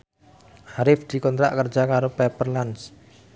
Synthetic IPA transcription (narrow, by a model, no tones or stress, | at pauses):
haɾɪfd̪̥i̤kɔnt̪ɾaʔkərd͡ʒʒ̥akaɾopɛpərlans